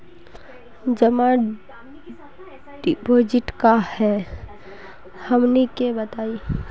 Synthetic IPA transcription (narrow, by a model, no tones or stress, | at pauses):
d͡ʒəma | ɖipoːd͡ʒɪʈkahɛ | həmnikebət̪aːi